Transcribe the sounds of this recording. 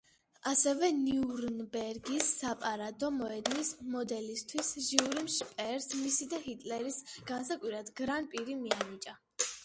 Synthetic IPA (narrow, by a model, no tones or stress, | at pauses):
asɛvɛniuɾnbɛɾɡisːapʼaɾad̪ɔmɔɛd̪mismɔd̪ɛlist̪ʰwisʒiuɾimʃpʼɛɾsmisid̪ahit̪ʼlɛɾisɡ̥ansakʼwiɾad̪ɡɾanpʼiɾimianit͡ʃʼa